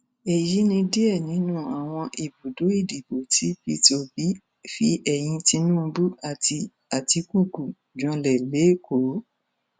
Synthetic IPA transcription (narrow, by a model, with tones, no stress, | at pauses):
e˨ji˨˦nĩ˧di˦ɛ˦˨nĩ˨˦nũ˦a˨w̃ɔ̃˧ʔi˨bu˨do˨˦i˦˨di˨bo˨ti˨˦bi˧˦to˧bi˨˦ | fi˦ʔɛ˨j̃ĩ˧ti˧˦nũː˦˧˦bu˦a˨ti˧ | a˨ti˧ku˦˨ɡu˨ | d͡ʒɔ̃˧lɛ˨le˨˦ko˨˦